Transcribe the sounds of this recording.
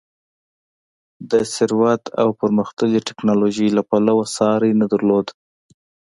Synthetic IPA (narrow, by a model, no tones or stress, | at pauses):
d̪əsɪɾwat̪a̰wpəɾməxt̪əliʈɪ̥knɑloʒəjlapalawasɑɾajnad̪aɾlod̪